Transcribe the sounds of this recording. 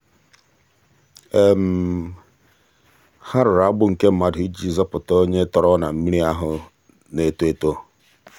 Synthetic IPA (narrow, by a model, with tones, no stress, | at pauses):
e˨m̩˨ | ha˦ɾʊ˨ɾa˨˦ɡ͡bʊ˦ŋ̩˨ke˦m̩˦ma˨di˦d͡ʒi˨zɔ˦pʊ˨to˦ɲe˦tɔ˨ɾɔ˦na˨m̩˦mi˦ɾi˦a˦ɦʊ˨ | ne˨to˦e˨to˦